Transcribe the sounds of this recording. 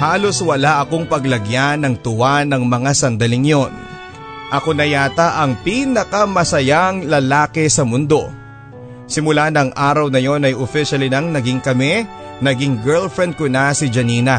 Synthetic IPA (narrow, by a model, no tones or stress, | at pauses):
haːlo̞swɐlaʔɐko̞ŋpɐɡlɐɡjanɐŋt̪ʊwanɐŋmɐŋasɐnd̪ɐlɪŋjon | ʔɐko̞nɐjaːt̪ɐʔɐŋpiːnɐkɐmɐsɐjaŋlɐlaːkɛsɐmʊnd̪o̞ | sɪmʊlanɐŋʔaːɾɐwnɐjo̞nɐjʔofiʃɐlinɐŋnɐɡɪŋkɐmɛ | nɐɡiŋɡɛɹlfɹɛnd̪̚konasɪd͡ʒɐniːnɐ